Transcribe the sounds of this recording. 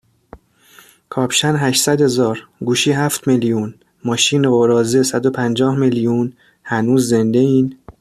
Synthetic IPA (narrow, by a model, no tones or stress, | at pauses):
kʰɒːpʃænɦæʃsæd̪he̞zɒːɾɡuːʃiːɦæft̪melijuːn | mɒːʃiːneɣoɾɒːzesæd̪opʰænd͡ʒɒːhmelijun | hænuːzːe̞nd̪eiːn